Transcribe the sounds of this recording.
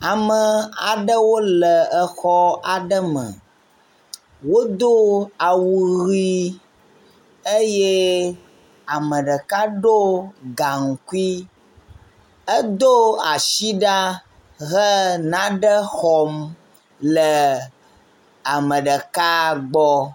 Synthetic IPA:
a˨mə˨a˨ɖə˦wo˦lə˨ə˦xɔ˦a˨ɖə˦mə̰̃˨ | wo˦d̪o˦a˨wu˨ɣi˦ | ə˦je˦ | a˨mə̃˨ɖə˨ka˦ɖo˦ɡa˨ŋ̩˨ku˦i˦ | ə˦d̪o˦a˨ʃi˦ɖa˦ | ɣə˦nã˦ɖə˦xɔ˨m | lə˨ | a˨mə̃˨ɖə˨ka˦ɡ͡bɔ˦

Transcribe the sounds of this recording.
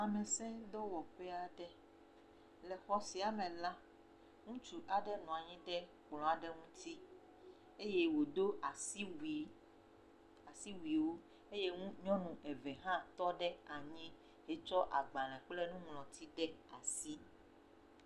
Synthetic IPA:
a˨mɛ̃˨sɛ̃˦d̪ɔ˦wɔ˨ɸɛ˦a˨ɖɛ˦ | lɛ˨xɔ˦si˨a˨mɛ̃˨la˦ | ŋũ˦t͡ʃu˨ʔa˨ɖɛ˦nɔ̃˨a˨ɲĩ˦ɖɛ˦ | k͡plɔ̃˨a˨ɖɛ˦ŋũ˦t̪ʰi˦ | e˦je˦wo˨d̪o˦a˨si˦wi˨ | a˨si˦wi˨wo˦ | e˦je˦ŋũ˦ɲɔ̃˦nũ˨ʔɛ˨vɛ˨ɦã˦t̪ɔ˦ɖɛ˦a˨ɲĩ˦ | e˦t͡ʃɔ˦ʔa̰˨ɡ͡ba˨lɛ̃˨k͡plɛ˦nũ˦ŋlɔ̃˨t̪ʰi˦ɖɛ˦a˨si˦

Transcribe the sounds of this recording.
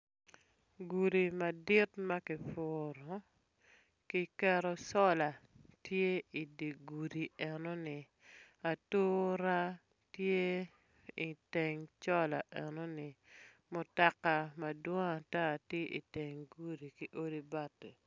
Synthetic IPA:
ɡu˨ɾi˨ma˨dɪ˦tma˦kɪ˨fʊɾɔ˨ | ki˦kɛ˦ɾɔ˦sɔ˦la˨tje˦i˨di˨ɡu˨ɾi˨ɛ˨nɔ˦nɪ˨ | a˨toː˦ɾa˦ | tje˦ | i˨tɛ˨ŋt͡ʃɔ˦la̰˨ʔɛ˨no˦nɪ˨ | mʊ˨ta˨ka˨ma˨dwɔ˦ŋa˨ta˦˨tje˦ʔḭ˨te˨ŋɡu˦ɾi˨ki˦ʔo˦di˦ba˦te˨

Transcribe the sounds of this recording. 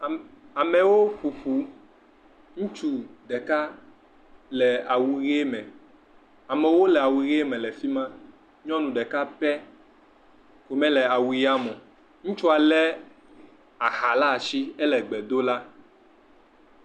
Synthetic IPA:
a˨mɛ̃˨wo˦ɸu˨ɸu˨ | ŋũ˦t͡ʃu˦ɖɛ˨ka˦ | lɛ˨a˨wu˨ɣe˦mɛ̃˨ | a˨mɛ̃˨wo˦lɛ˨a˨wu˨ɣe˦mɛ̃˨lɛ˨fi˦mã˦ | ɲɔ̃˦nũ˨ɖɛ˨ka˦pɛ˦ | ko˨mɛ̃˦lɛ˨a˨wu˨ja˦mɔ̃˨ | ŋũ˦t͡ʃu˦a˨lɛ˦ | a˨xa˨la˦˨si˦ɛ˦lɛ˨ɡ͡bɛ˨d̪o˦la˦

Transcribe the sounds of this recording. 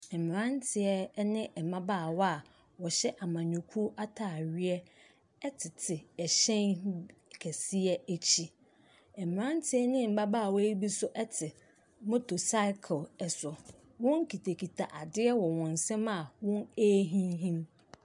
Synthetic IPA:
ɛ˨mɪ̃˨ɾã˦ntʰɪ˨ɛ˦nɪ̃˦ʔɛ˨mã˦baː˦˨wɔ˦a˨ | wɔ˨ɕɛ˦ʔa˨mã˨ɲʊ̃˨kʰu˦ʔa˦tʰaː˨ɥi˦ɛ˦ | ɛ˦tʰɪ˨tʰɪ˨ɛ˨ɕɛ̃˦nkʰæ˨si˦ɛ˦æ˦t͡ɕʰi˦ | ɛ˨mɪ̃˨ɾã˦ntʰɪ˦ɛ˦nɪ̃˦m̩˨bã˦baː˦˨wɔ˦i˦bi˦sʊ˦ʔɛ˦tʰɪ˨ | mo˦tʰo˨sa˦ɪ˦kʰlɛ˨sʊ˨ | wʊ̃˦ŋ˦kʰi˨tʰe˨kʰi˨tʰa˨ʔa˨dɪ˦ɛ˦wɔ˨wɔ̃˨n̩˨sɛ̃˦ma˨wʊ̃˦neː˦ɦĩ˦ɦĩ˦m

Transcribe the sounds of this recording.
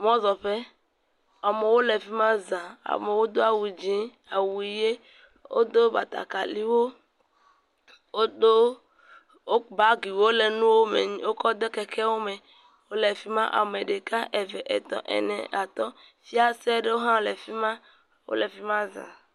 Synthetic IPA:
mɔ̃˦zɔ˨ɸe˦ | a˨me˨wo˦le˨fi˦mã˦zã˨a̰˨me˨wo˦d̪o˦a˨wu˨d͡ʒĩ˦ | a˨wu˨i˨je˦ | wo̰˦d̪o˦ba̰˨t̪a̰˨ka˨li˦wo˦ | wo˦d̪o˦ | o˦ba˨ɡi˨wo˦le˨nũ˦wo˦mḛ˨ɲĩ˦wo˦kɔ˦d̪e˦kɛ˦kʰɛ˦wo˦me˨ | wo˦le˨fi˦mã̰˦ʔa̰˨me˨ɖe˨ka˦ʔe˨vɛ˨ʔḛ˨t̪ɔ̰̃˨ʔɛ̰˨nɛ̰̃˨ʔa˨t̪ɔ˦fi˦a˦sɛ˦ɖe˦wo˦ɦã˦le˨fi˦mã˦ | wo̰˦le˨fi˦mã˦zã̰˨

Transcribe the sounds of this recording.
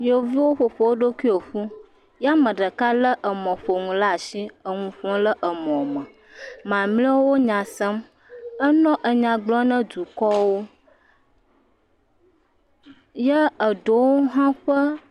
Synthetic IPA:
je˨wo˨vi˦wo˦ɸo˨ɸo˨wo˦ɖo˦ki˦o˨ɸu˦ | ja˦mə̃˨ɖə˨ka˦lə˦ʔə˨mɔ̃˨ɸo˨ŋũ˨la˦a˨ʃi˦ə˨ŋũ˨ɸɔ̃˦lə˦ʔə˨mɔ̃˨mə̃˨ | mã˨mli˦wo˦wo˦ɲã˨sə˦m | ə˦nɔ̃˦ʔə˨ɲã˨ɡ͡blɔ̃˦nə̃˦d̪u˨kɔ˦wo˦ | jə˦ə˨ɖo˨wo˦ɦã˦ɸə˦

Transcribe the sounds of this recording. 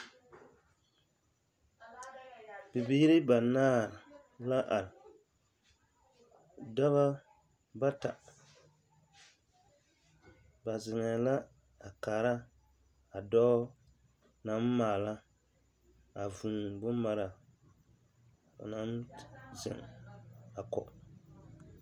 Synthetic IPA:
bɪ˨biː˦ɾɪ˦ba˨naː˦˨ | la˦ʔa˨ɾ | da˦βa˦ | ba˦ta˨ | ba˨zɪ˨ŋɛ˨la˦ | a˨kaː˨ɾa˦ | a˨dɔː˦ | na˦m˦maː˨la˦ | a˨vu˨bʊ˦m˦ma˨ɾa˨ | a̰˨na˦mzɪ̰˨ŋ | a˨kɔ̰˨ʔ

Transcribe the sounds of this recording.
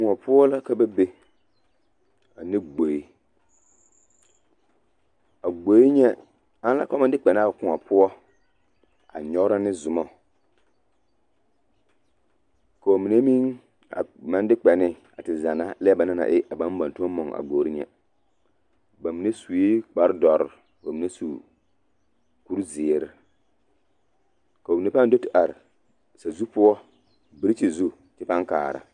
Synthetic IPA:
kʊ˨ŋɔ˨pʊ˦ɔ˦la˦ka˦ba˦be˦ | a˨nɪ˦ɡ͡bo˨ji˦ | a˨ɡ͡bo˨˦i˦ɲɛ˦ | a˦n˦la˦kɔ˦ma˦dɪ˦k͡pɛ˨na˦˨kʊ˨ŋa˨pʊ˦ɔ˦ | a̰˨ɲɔ˦ɾa˦nɪ˦zʊ˨mɔ˦ | ka˨o˨mi˨ne˦mi˦ŋ | a̰˨ma˦ndɪ˦k͡pɛ˨nɪ˦ | a˨tɪ˨za˨na˦lɪ˦ɛ˦ba˨na˦na̰˨ʔɪ˦ʔa˨ba˦nba˨ntu˦ɔ˦mɔ˨ŋa̰˨ɡ͡boː˨ɾi˦ɲɛ̰˦ | ba˨mi˨ne˦su˨i˦k͡pa˦ɾdɔ˨ɾ | bo˨mi˨ne˦su˨ | ku˦ɾzɪː˨ɾɪ˦ | ka˨o˨mi˨ne˦pa˦n˦do˦tɪ˨ʔa˨ɾ | sa˨zu˦pʊ˦ɔ˦ | bi˦ɾt͡ʃi˨zu˦ | tɪ˦pa˦ŋka̰ː˨ɾa̰˨

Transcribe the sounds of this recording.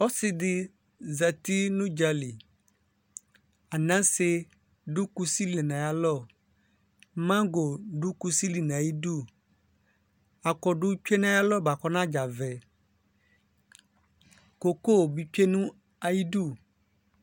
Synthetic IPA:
o˦sɪ˨dɪ˦ | za˨t̪i˦nũ˦d͡ʒa˨li˨ | a˨nã˦se˦ | ɖu˦ku˦si˦li˨nã˨ja˨lɔ˦˨ | mã˦ɡo˨ɖu˦ku˦si˦li˨nã˨ji˦ɖu˦˨ | a˨kɔ˨ɖu˦t͡ʃᶣe˦nã˦ja˦lɔ˦ba˨kɔ˦nã˦d͡ʒa˨vɛ˨ | ko˨ko˦˨bi˨t͡ʃe˦nũ˦ | a˨ji˦ɖu˦˨

